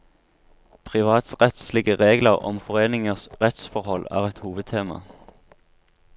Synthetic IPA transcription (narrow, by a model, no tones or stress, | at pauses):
pʰʁɪʋɑːt̪sʁɛt̪slɪɡəʁeːɡləʁɔ̰mfɔʁeːnɪŋəʁsʁɛt̪sfɔʁhɔlæ̰ːʁɛt̪huːʋəd̪̚t̪ʰeːmɑ̰